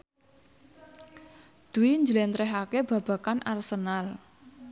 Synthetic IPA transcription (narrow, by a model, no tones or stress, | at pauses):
d̪̥ṳwiɲd͡ʒəlɛnt̪ɾɛɦakeb̥ä̤b̥a̤kanʔarsənal